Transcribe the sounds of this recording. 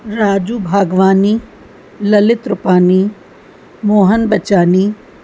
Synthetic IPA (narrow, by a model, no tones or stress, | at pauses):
ɾaːd͡ʒuːbʱaːɡʋaːniː | lɐlɪt̪ɾʊpaːniː | moːɦənbɐt͡ʃaːniː